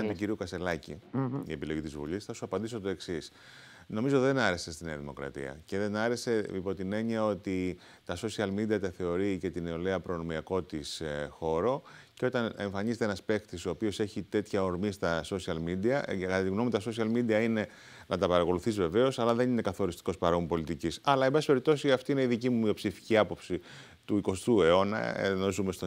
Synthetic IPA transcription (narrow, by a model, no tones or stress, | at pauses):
ɐnt̪uciɾiukɐse̞lɐcḭḭe̞pilo̞jʝit̪izvṵʎisθɐsuɐpɐnd̪isot̪o̞e̞ksis | no̞mizo̞t̪iðe̞nɐɾe̞se̞st̪ineɐðimo̞̰kɾɐ̰t̪ḭɐ̰ce̞ðe̞nɐɾe̞se̞ipo̞t̪ine̞ɲiɐo̞t̪i | t̪ɐso̞siɐlmid̪iɐt̪eθe̞o̞ɾice̞t̪ineo̞leɐpɾono̞miɐko̞t̪isxo̞ɾo̞ceo̞t̪ɐne̞ɱfɐɲizet̪eenɐspe̞kt̪iso̞ːpio̞se̞çit̪e̞t̪çɐo̞ɾmist̪ɐso̞siɐlmid̪iɐkɐt̪ɐt̪iɣno̞mit̪ɐso̞s̬iɐlmid̪iɐine̞ | nɐt̪ɐpɐɾɐko̞luθizve̞ve̞o̞sɐlɐðe̞nine̞kɐθo̞ɾist̪i̥ko̞spɐɾo̞mpo̞lit̪icisɐlɐembɐsipe̞ɾip̚t̪o̞siɐft̪iine̞iðicimumio̞psifi̥ciɐpo̞psi | t̪uiko̞st̪ue̞o̞nɐ̰ḛnosumest̪o